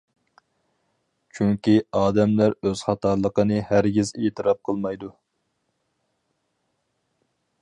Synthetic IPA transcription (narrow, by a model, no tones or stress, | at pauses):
t͡ʃʰyŋkʲiɑːd̪ɛmlæɾøz̥χɑt̪ʰɑɾlˠəqənɨhæɾɡʲizeːt̪ʰɨɾɑp̚qʰəlˠmɑjd̪u